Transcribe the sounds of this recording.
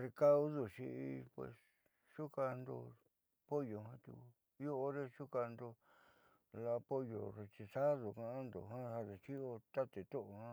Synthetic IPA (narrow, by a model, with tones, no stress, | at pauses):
re˧ka˦u˦ðu˧ʃi˧i˧pwḛ˧˨s | ʂu˦ka˧nd̪o̰˧ | po˦jo˨ɦã˦t̪ṵ˧ku˧˦ | o˦o˧ɾe˦ʃu˦ka˧nd̪o˧ | la˧po˦jo̰˨re˧t͡ʃi˧sa˦ðo˨kã˧ã˦nd̪o̰˨ɦã˦ha˧ðe˨t͡ʃi˦o˧t̪a˦t̪e˨t̪o˦ʔo˧hã˦